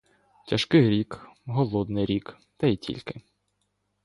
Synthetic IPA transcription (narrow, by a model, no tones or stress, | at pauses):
tʲɐʃkɪɾʲikɦɔlˠɔd̪nɪjɾʲik | t̪ɐitʲʰḭlʲkɪ